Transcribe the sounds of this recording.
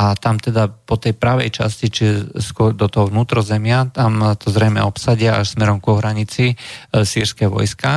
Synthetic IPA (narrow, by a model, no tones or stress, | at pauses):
at̪amt̪ɛd̪apɔt̪ɛjpɾaʋɛjt͡ʃa̰scit͡ʃiɛskʊɔɾd̪ɔt̪ɔɦɔʋnuːt̪ɾɔzɛmɪat̪amt̪ɔzɾɛjmɛ̰ɔpsaɟɪaaʃsmɛɾɔmkuɦɾaɲit͡sisiːɾskɛʋɔ̰jska